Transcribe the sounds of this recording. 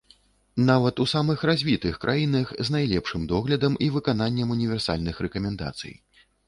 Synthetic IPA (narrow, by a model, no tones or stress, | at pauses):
navɐt̪usamɨxɾazʲvʲit̪ɨxkɾʔa̰jinɐxznajlʲɛpʂɨmd̪ɔɣlʲɐd̪ɐmivɨkananʲːɐmunʲivʲɛrsa̰lʲnɨxɾɛkɐmʲɛnd̪a̰t̪sɨ̰j